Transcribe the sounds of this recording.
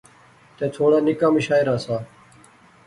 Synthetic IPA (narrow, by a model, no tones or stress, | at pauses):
t̪ẽːt̪ʰoːɽaːnɪkãːmiʃaːɪɾaːsaː